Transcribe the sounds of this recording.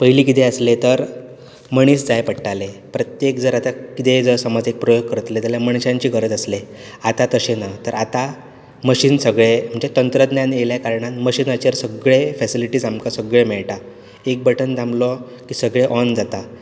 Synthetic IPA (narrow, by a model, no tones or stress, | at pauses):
pəɦiliːkit̪eəslet̪əɾ | məɽ̃iːsd͡zajpəɽʈalepɾət̪jek̚d͡zəɾat̪akit̪ed͡zəsəmad͡zek̚pɾɔjoɡ̚kəɾət̪let̪jaljaməɳ̃ɕãɲt͡ɕiːɡʱəɾəd͡zəsleat̪at̪əɕenat̪əɾat̪a | məɕiːnsəɡɭem̤əɳd͡ʑet̪ənt̪ɾəd̪njanjeljakaɾɳanməɕiːnət͡ɕəɾsəɡɭefɛsiliʈiːzamkasəɡɭemɛɭʈa | ek̚bəʈʰənd͡z̪amlɔ | kiːsəɡɭeʔɔnd͡zat̪a